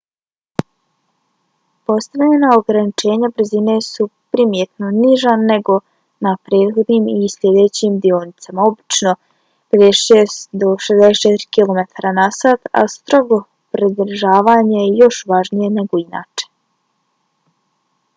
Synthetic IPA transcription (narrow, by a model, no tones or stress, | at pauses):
po̞st̪aʋʎenaoɡɾanit͡ʃe̞ːɲabrzine̞supɾimjet̪noniʒane̞ɡo̞ | napɾe̞ːd̪xo̞d̪nimisʎʲje̞d̪e̞t͡ɕimd̪ionit̪samao̞bit͡ʃno̞ | ped̪esesd̪oʃezd̪eset͡ʃɛt̪ɾi̥kilˠo̞met̪ʰaɾanasaːt̪a̰st̪ɾo̞ɡo̞ | pɾid̪r̩ʒaːʋaːɲejo̞ʃʋaʒnije̞ne̞ɡo̞ina̰ːt͡ʃe̥